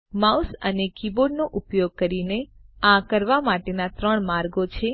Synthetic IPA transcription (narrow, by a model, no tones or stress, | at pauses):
mausənekiboɖnoʔupjoɡ̚kəɾineãkəɾʋamaʈenat̪ɾəɳmaɾɡot͡ʃʰe